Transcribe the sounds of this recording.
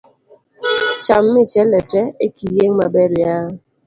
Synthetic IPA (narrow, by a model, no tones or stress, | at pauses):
t͡ʃamːit͡ʃɛlɛtɛekijeŋmabɛɾja